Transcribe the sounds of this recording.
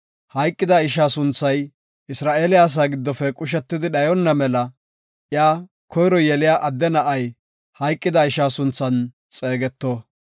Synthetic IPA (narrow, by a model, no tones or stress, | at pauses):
hɐjkʼːɪd̪ɐɪʃaːsʊnt͡sːɐj | ɪsɾaːʔeːlɪaːs̬aːɡɪd̪ːɔfɛkʼʊʃ̬ɛt̪ːɪd̪ɪɗɐjɔnːɐmɛlɐ | ʔjaː | kʰɔjɾɔjɛlɪjaːʔɐd̪ːɛnɐʔɐj | hɐjkʼːɪd̪ɐɪʃaːsʊnt͡sːɐn | t͡sʼe̞ːɡɛt̪ːoː